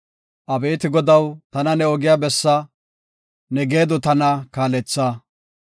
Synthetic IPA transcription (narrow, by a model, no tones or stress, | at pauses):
ʔɐbeːt̪ɪɡɔd̪ɐwt̪ɐnɐnɛɔɡɪjaːbɛsːɐ | nɛɡe̞ːd̪ɔt̪ɐnɐkaːlɛt͡sːaː